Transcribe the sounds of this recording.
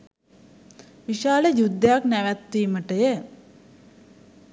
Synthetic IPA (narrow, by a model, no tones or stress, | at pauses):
ʋiʃaːləjud̪ːəjaknæʋæt̪ːiːməʈəjə